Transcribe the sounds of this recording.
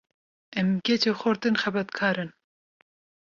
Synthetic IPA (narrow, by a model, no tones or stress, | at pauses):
ɛmketoxɔɾt̪ɨnxɛbɛt̪kʰɑːɾɨn